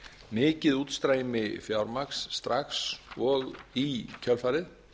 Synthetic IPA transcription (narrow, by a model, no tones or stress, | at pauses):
mɪːcɪðuːt̪st̪ɾaːjmɪfjawɾmaksːt̪ɾaxsɔɣicʰœlfaːɾɪð